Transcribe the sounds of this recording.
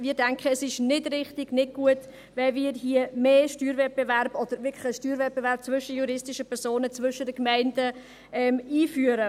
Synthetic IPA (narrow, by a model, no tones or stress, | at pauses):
mɪːɾdɛŋkχəɛsɪʃnɪdrɪχtɪɡ̥nɪd̚ɡ̥uət | vɛviːɾɦiəmeːʃtyːɾvɛt̚b̥evæɾb̥ɔd̥̪əɾvɪklə̥əʃtyːɾvɛt̚bevæɾp̚t͡svʏʃəjuɾɪstɪʃəpʰɛɾsoːnət͡svʋʏʃədəkmɛɪndə | ɛːmiːfyːəɾə